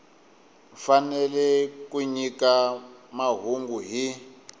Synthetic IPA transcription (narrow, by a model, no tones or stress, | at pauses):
fanɛlɛkʼuɲikamaɦuŋɡuɦi